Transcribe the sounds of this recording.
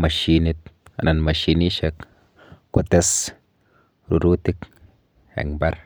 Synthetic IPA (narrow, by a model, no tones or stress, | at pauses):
maʃinit̪̚a̰nanmaʃiniʃek | kot̪es | ɾuɾut̪ik | ḛŋbaɾ